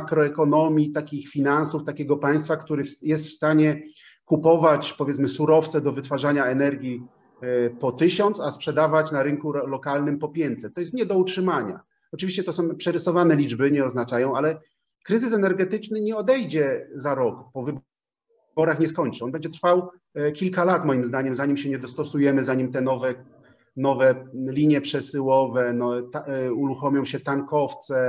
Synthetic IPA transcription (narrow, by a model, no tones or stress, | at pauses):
akɾɔɛkɔnɔmʲjit̪akʲixfʲinansuft̪akʲɛɡɔpaj̃st̪fakt̪uɾɘfjɛst̪fst̪aɲɛ | kupɔvat͡ɕpɔvʲjɛt̪smɘsuɾɔft̪sɛd̪ɔvɘt̪faʐaɲaɛnɛɾɡʲi | pɔt̪ɘɕɔnt̪saspʂɛd̪avat͡ɕnaɾɘŋkulɔkalnɘmpɔpʲjɛnt̪sɛt̪ɔjɛst̪ɲɛd̪ɔutʂɘmaɲa̰ | ɔt͡ʂɨvʲiɕt͡ɕɛt̪ɔsɔ̃w̃pʂɛɾɘsɔvanɛlʲid͡ʐbɘɲɛɔznat͡ʂajɔ̃w̃alɛ | kɾɘzɘsɛnɛɾɡɛt̪ɘt͡ʂnɘɲɛɔd̪ɛjd͡ʑɛzaɾɔkpɔvɘb | bɔɾaxɲɛskɔɲt͡ʂɨɔnbɛɲd͡ʑɛt̪ɾfaw | kʲilkalat̪mɔjimzd̪aɲɛmzaɲimɕɛɲɛd̪ɔst̪ɔsujɛmɘzaɲimt̪ɛnɔvɛ | nɔvɛlʲiɲjɛpʂɛsɘwɔvɛnɔt̪uɾuxɔmʲjɔ̃w̃ɕɛt̪aŋkɔft̪sɛ